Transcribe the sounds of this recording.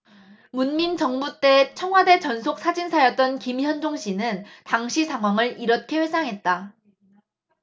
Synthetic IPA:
munmint͡ɕʌŋbot͈e̞t͡ɕʰʌŋɦwade̞t͡ɕʌnsʰok̚s͈ʰad͡ʑinsʰajʌt̚t͈ʌnkimiçjʌnd͡ʑoŋɕʰinɯntaŋɕʰisʰaŋɦwaŋɯɭiɾʌt̚kʰeɸwe̞s͈ʰaŋɦe̞t̚t͈a

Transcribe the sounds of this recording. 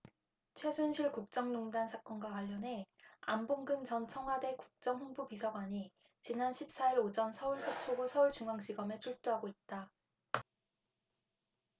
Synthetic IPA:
t͡ɕʰwe̞sʰunɕʰiɭkuk̚t͡ɕ͈ʌŋnoŋdansʰak͈ʌnɡwakwaʎːʌnɦe̞amboŋɡɯnt͡ɕʌnt͡ɕʰʌŋɦwade̞kuk̚t͡ɕ͈ʌŋɦoŋbupisʰʌɡwaɲi | t͡ɕinanɕʰip̚s͈aiɾod͡ʑʌnsʰʌuɭsʰot͡ɕʰoɡosʰʌuɭt͡ɕuŋaŋd͡ʑ͈iɡʌmet͡ɕʰuɭt͈uɦaɡoit̚t͈a

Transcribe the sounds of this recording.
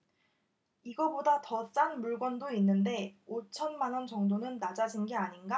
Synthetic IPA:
iɡʌbodatʌt͡ɕ͈anmuɭɡwʌndoinːɯnde̞ot͡ɕʰʌnmanwʌnt͡ɕʌŋdonɯnːad͡ʑad͡ʑinɡeaɲinɡa

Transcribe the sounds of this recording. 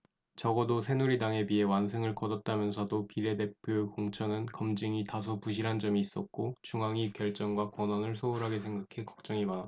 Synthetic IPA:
t͡ɕʌɡʌdosʰe̞nuɾidaŋe̞bie̞wans̬ʰɯŋɯɭkʌdʌt̚t͈amjʌnsʰʌdopiɾe̞de̞pʰjokoŋt͡ɕʰʌnɯnkʌmd͡ʑiŋitas̬ʰupuɕ̬ʰiɾɦand͡ʑʌmiːs͈ʌt̚k͈ot͡ɕuŋaŋikjʌɭt͡ɕ͈ʌŋɡwakwʌnʌnɯɭsʰouɾɦaɡes̬ʰe̞ŋɡakʰekʌ̥k̚t͡ɕ͈ʌŋimana

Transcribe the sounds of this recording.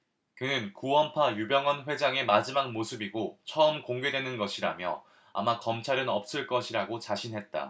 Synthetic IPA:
kɯnɯnkuʌmpʰajubjʌŋʌnɸwe̞d͡ʑaŋe̞mad͡ʑimak̚mosʰɯbiɡot͡ɕʰʌɯmkoŋɡe̞dwe̞nɯnɡʌɕʰiɾa̰mjʌ | a̰makʌmt͡ɕʰaɾɯnʌp̚s͈ɯɭk͈ʌɕʰiɾaɡot͡ɕaɕʰinɦe̞t̚t͈a̰

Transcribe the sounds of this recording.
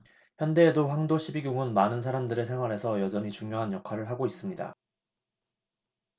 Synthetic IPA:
çjʌnde̞ːdoɸwaŋdoɕʰibiɡjuŋɯnmanɯnsʰaɾamdɯɾe̞sʰe̞ŋɦwaɾe̞sʰʌjʌd͡ʑʌɲit͡ɕuŋɲjoɦanjʌkʰwaɾɯɭɦaɡois͈ɯmɲida̰

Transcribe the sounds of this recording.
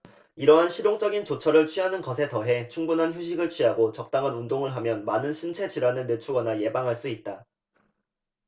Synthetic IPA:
iɾʌɦanɕʰiɾjoŋt͡ɕ͈ʌɡint͡ɕot͡ɕʰʌɾɯɭt͡ɕʰɥiɦanɯnɡʌsʰe̞tʌɦe̞t͡ɕʰuŋbunɦançjuɕ̬ʰiɡɯɭt͡ɕʰɥiɦaɡot͡ɕʌk̚t͈aŋanundoŋɯɭɦamjʌnmanɯnɕʰint͡ɕʰe̞d͡ʑiɾanɯɭne̞t͡ɕʰuɡʌnaje̞baŋɦaɭs͈uit̚t͈a

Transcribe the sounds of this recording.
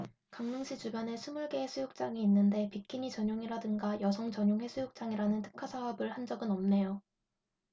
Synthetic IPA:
kaŋnɯŋɕʰid͡ʑubjʌnesʰumuɭɡe̞ɦesʰujuk̚t͡ɕ͈aŋiːnːɯnde̞pikʰiɲit͡ɕʌɲjoŋiɾadɯŋɡajʌsʰʌŋt͡ɕʌɲoŋɦe̞sʰujuk̚t͡ɕ͈aŋiɾanɯntʰɯ̥kʰːasʰaɦʌbɯɭhand͡ʑʌɡɯnʌmne̞jo

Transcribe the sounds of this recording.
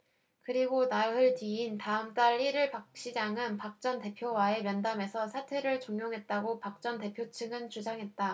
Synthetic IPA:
kɯɾiɡonaɦɯɭtiintaɯmt͈aɭːiɾɯɭpak̚ɕ͈id͡ʑaŋɯnpak̚t͡ɕ͈ʌnte̞pʰjowae̞mjʌndame̞sʰʌsʰatʰe̞ɾɯɭt͡ɕoŋjoŋɦe̞t̚t͈aɡopak̚t͡ɕ͈ʌnte̞pʰjot͡ɕʰɯŋɯnt͡ɕud͡ʑaŋɦe̞t̚t͈a

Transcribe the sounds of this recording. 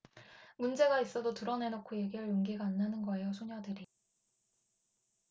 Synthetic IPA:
mund͡ʑe̞ɡais͈ʌdotɯɾʌne̞nokʰoje̞ɡiɾɯɭjoŋɡiɡaːnːanɯnɡʌe̞josʰuɲadɯɾi

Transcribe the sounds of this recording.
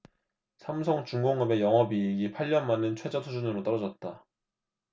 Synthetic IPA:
sʰamsʰʌŋt͡ɕuŋɡoŋɡɯbe̞jʌŋɦʌbieɡipʰaʎːʌnmanɯnt͡ɕʰwe̞d͡ʑʌtʰud͡ʑunɯɾot͈ʌɾʌd͡ʑʌt̚t͈a

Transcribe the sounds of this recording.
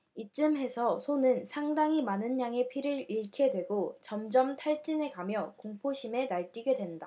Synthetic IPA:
it͡ɕ͈ɯmɦe̞sʰʌsʰonɯnsʰaŋdaŋimanɯnɲaŋe̞pʰiɾɯɾiɭkʰe̞dwe̞ɡot͡ɕʌmd͡ʑʌmtʰaɭt͡ɕ͈ine̞kamjʌkoŋpʰoɕʰime̞naɭt͈iɡe̞dwe̞nda

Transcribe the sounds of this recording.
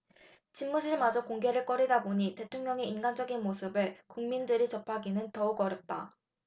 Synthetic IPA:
t͡ɕinmusʰɯɭmad͡ʑʌkoŋɡe̞ɾɯɭk͈ʌɾidaboɲite̞tʰoŋɲjʌŋe̞inɡand͡ʑʌɡinmosʰɯbɯɭkuŋmindɯɾit͡ɕʌpʰaɡinɯntʌuɡʌɾjʌp̚t͈a

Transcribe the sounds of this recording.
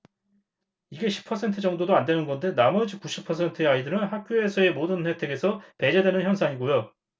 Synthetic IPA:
iɡe̞ɕʰi̥pʰʌsʰe̞ntʰɯd͡ʑʌŋdodoandwe̞nɯnɡʌnde̞namʌd͡ʑikuɕʰipʰʌsʰe̞ntʰɯeaidɯɾɯnɦak̚k͈joe̞sʰʌe̞modɯnhe̞tʰe̞ɡe̞sʰʌpe̞d͡ʑedwe̞nɯnçjʌns̬ʰaŋiɡojo

